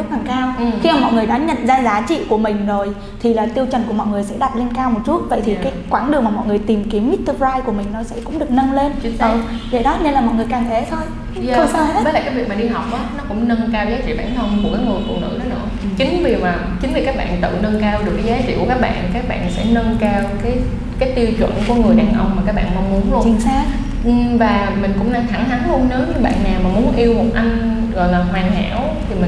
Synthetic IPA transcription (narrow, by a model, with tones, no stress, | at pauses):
zt̚laː˨˩kaː˧wxi˧aː˨˩mɔ̰˧˨jŋɨ˨˩əjɗa˨˥ɲə̰˧˨nzaː˧zaː˨˦t͡ɕḭ˧˨ku˧˩əmï˨˩ŋ̟zo˨˩j | t̪ʰi˨˩laː˨˩t̪i˧əwt͡ɕə˨˩nku˧˩əmɔ̰˧˨jŋɨ˨˩əjsɛ̰˧˥ɗa˨˩t̚le˧nkaː˧wmo˨˩t̚t͡ɕu˦˥t̚və̰˧˨jt̪ʰi˨˩kaː˨˦jkwaː˧˩˦nɗɨ˨˩əmaː˨˩mɔ̰˧˨jŋɨ˨˩əjt̪i˨˩mki˨˦əmʔi˦˥t̚t̪ɨ˧pzaː˧jku˧˩əmï˨˩ŋ̟nɔ˨˦sɛ̰˧˥kʊ̰˧˥ŋ͡mɗɨ˨˩ək̚nə˧nle˧nt͡ɕi˨˦ʔə˨˦˧ | zə̰˧˨jɗɔ˨˦ne˧nlaː˨˩mɔ̰˨jŋɨ˨˩əjkaː˨˩mt̪ʰɛ˧˨˦t̪ʰo˧jː | ə˧˩saː˧we˦˥ə˨˦laː˨kaː˨˦jvi˨˩ək̚mː˨˩ɗi˧ɦa˨˩wk͡p̚ʔɔː˨˦nɔ˨˦kʊ̰˧˥ŋ͡mnə˧nkaː˧wzaː˨˦jt͡ɕḭ˧˨ɓaː˧˩nt̪ʰə˧wŋ͡mm̚˨˩kaː˨˦jŋɨ˨˩əjfṵ˧˨nɨ̰˧˥ɗə˨˦nɨ̰˧˥ət͡ɕï˨˦ŋ̟vi˨˩maː˨˩t͡ɕï˨˦ŋ̟vi˨˩kaː˦˥k̚ɓa̰ː˧˨nt̪ɨ̰˧˨nə˧nkaː˧wɗɨ˨˩əkːa˨˦jzaː˨˦t͡ɕḭ˧˨ku˧˩əkːaː˦˥k̚ɓa̰ː˧˨nkaː˦˥k̚ɓa̰ː˧˨nsɛ̰˧˥nə˧nkaː˧wkaː˨˦j | kaː˨˦jt̪i˧wt͡ɕwə̰˧˨nku˧˩əŋɨ˨˩əjɗaː˨˩ŋʔə˧wŋ͡mmaː˨˩kaː˦˥k̚ɓa̰ː˧˨nma˧wŋ͡mmu˨˦ənlu˧t͡ɕi˧˩ənsaː˧˦ | ʔvaː˨˩mï˨˩ŋ̟kʊ̰˧˥ŋ͡mla˧˩a˧˩ŋha˨˦ŋlu˧ənːəː˨˦˥ɲɨ˧ɓa̰ː˧˨nɲaː˨˩maː˨˩mu˨˦ənʔi˧əwmo˨˩t̚ʔa˧jŋ | ɣɔ̰˧˨jlaː˨˩hwaː˨˩nɦa̰ː˧˩˥w | t̪ʰi˨˩mï˨˩